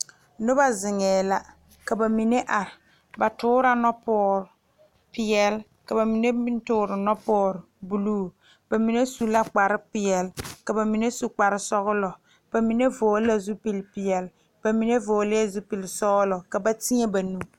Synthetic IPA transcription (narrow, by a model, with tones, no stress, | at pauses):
nʊ˦ba˦zɪ˨ŋɛː˨la˦ | ka˨ba˨mi˨ne˦ʔa˨ɾɪ˨ | ba˨tʊː˦ɾa˦nɔ˦pɔː˦ɾ | pɪ˨jɛ˨l | ka˨ba˨mi˨ne˦mɪ˦n˦tʊː˦ɾɪ˨nɔ˦pɔː˦ɾbu˨luː˦ | b̥a˨mi˨ne˦su˦la˦k͡pa˨ɾɪ˦pɪ˨ɛ˨lka˨ba˨mi˨ne˦su˨k͡pa˨ɾɪ˦sɔ˦ɣʊ˦lɔ˨ | b̥a˨mi˨ne˦voː˨˦la˦zu˦pɪ˦lpɪ˨ɛ˨l | b̥a˨mi˨ne˦voː˨lɪ˦ɛ˦zu˦pɪ˨lɪ˨sɔ˦ɣlɔ˨ka˨ba˦ti˦ɛ˦ba˨nu˦